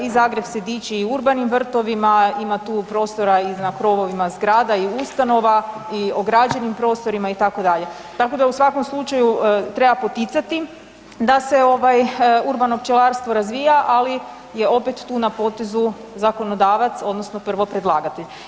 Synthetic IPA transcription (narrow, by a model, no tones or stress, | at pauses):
izaːɡɾe̞bsed̪iːt͡ʃiiuɾbanimʋr̩t̪o̞ʋimaimat̪uːpɾo̞st̪o̞ɾaiznakɾo̞ʋo̞ʋimazɡɾaːd̪aiust̪ano̞ʋaio̞ɡɾad͡ʒe̞nimpɾo̞ːst̪o̞ɾimait̪ako̞d̪aʎe̞ | t̪ako̞d̪ausʋako̞mslˠut͡ʃajut̪ɾe̞bapo̞t̪it̪sat̪i | d̪ase̞o̞ʋajuɾbano̞pt͡ʃelaɾst̪ʋoɾazʋiːjaʔali | je̞o̞pet̪ːuːnapo̞t̪ezu | zako̞nod̪aːʋat̪so̞d̪nosno̞pr̩ʋo̞pɾed̪lˠaːɡat̪eʎ